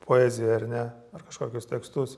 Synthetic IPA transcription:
pʰoːɛzʲɪjɛɐɾnʲɛ | ɐrkɐʃkoːkʲʊst̪ʲɛkst̪ʊs

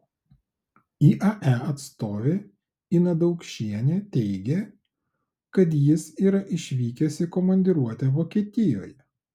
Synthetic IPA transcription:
iːʔɐʔæɐt̪st̪oːʋʲe | inɐd̪ɒʊkʃʲiɛnʲet̪ʲɛɪɡʲe | kɐt̪̬jɪsiːɾɐʔɪʃʲʋʲiːkʲɛsʲɪkɔmɐnʲd̪ʲɪɾuɔt̪ʲɛʋoːkʲiɛt̪ʲɪjo̰ːjɛ

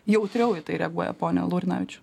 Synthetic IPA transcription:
jɛʊt̪ʲɾʲɛʊjɪt̪ɐɪɾʲɛɐɡuɔjɛ̰poːnʲɛ̰lˠuːɾʲnɐ̰ʋʲɪt͡ʃʲʊ̥

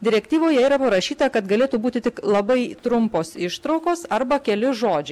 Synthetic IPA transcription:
d̪ʲɪɾʲɛkt̪ʲiːʋoːjɛiːɾɐpɐɾɐʃʲiːt̪ɐkɐt̪ɡɐlʲeːt̪uːbuːt̪ʲɪt̪ʲɪklˠɐbɐɪt̪ɾʊmpoːsɪʃt̪ɾɒʊkoːsɐɾbɐkʲɛlʲɪʒoːd͡ʒʲɛɪ

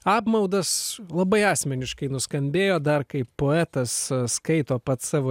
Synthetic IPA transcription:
ɑːpmɐʊd̪ɐslˠɐbɐɪɑːsʲmʲɛnʲɪʃkɐɪnʊskɐmʲbʲeːjoːd̪ɐrkɐɪpoːɛːt̪ɐsskɐɪt̪oːpɐt̪sɑːʋoː

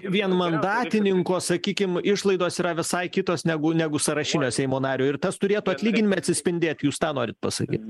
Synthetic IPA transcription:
ʋʲiɛnmɐnd̪ɑːt̪ʲɪnʲɪŋkoːsɐkʲiːkʲɪmɪʃlˠɐɪd̪oːsiːɾɐʋʲɪsɐɪkʲɪt̪oːsnʲæɡʊnʲæːɡʊsɐɾɐʃʲɪnʲoːsʲɛɪmoːnɑːɾʲoːɪrt̪ɐst̪ʊɾʲeːt̪uɐt̪ʲlʲiːɡʲɪnʲɪmɐɐt̪ʲsʲɪsʲpʲɪnʲd̪ʲeːt̪juːst̪ɑːnoːɾʲɪt̪̚pɐsɐ̰kʲḭːt̪ʲ

